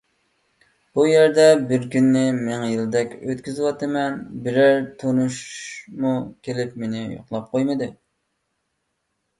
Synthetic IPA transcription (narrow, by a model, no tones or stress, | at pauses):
b̥ujæɾd̪ɛbɪɾkʲynːɪmeŋjɪld̪ɛkʲøt̪kʲyzwɑt̪ɨmɛnbɪɾæɾt̪ʰonuʃmukʲʰelɪpmenɪjo̰χlˠɑp̚qʰojmɨd̪ɨ